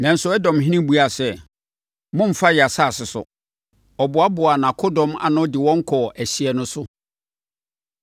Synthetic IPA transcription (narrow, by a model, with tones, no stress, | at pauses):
nã˨n̩˨˦sʊ˦ɛ˦dɔ̃˨mɦĩ˦nĩ˦bu˦a˨sɛ˦ | mʊ̃˦m̩˨fa˦jɛ˨a˨saː˦˨sɪ˨sʊ̰˨ | ɔ˨bʊ˨a˦bʊ˨a˨nã˨kʰʊ˦dɔ̃˦ma̰˨nʊ̃˦dɪ˨wɔ̃˦ŋ̩˦kʰɔ˨ʔæ˨ɕi˨ɛ˨nʊ̃˦sʊ˦